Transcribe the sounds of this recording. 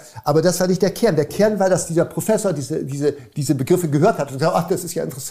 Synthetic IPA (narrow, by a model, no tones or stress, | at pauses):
ʔaːbɐdasv̥aːɐnɪçt̚d̥eːɐkʰɛɐndeːɐkʰɛɐnvaːɐdasd̥iːzɐpʁ̥ofɛsoːɐdiːzədiːzəd̥iːzəbəɡʁɪfəɡəɦøːɐthatʊntkz̥aʔaχd̥asɪstjaːʔɪ̰ntəʁɛs